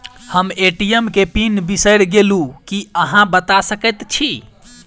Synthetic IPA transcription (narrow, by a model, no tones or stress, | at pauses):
həmeʈijemkepinbisəɾɡelukiəɦãbət̪asəkət̪t͡ʃʰi